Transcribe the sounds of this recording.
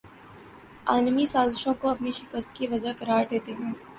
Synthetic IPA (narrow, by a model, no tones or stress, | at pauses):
aːnmisaːzɪʃõkoɐpniʃɪkəst̪kiʋɐd͡ʒakɐɾaːɾd̪eːt̪eɦɛ̃ː